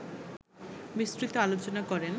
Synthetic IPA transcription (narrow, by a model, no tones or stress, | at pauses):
bisɾit̪oalot͡ɕonakɔɾen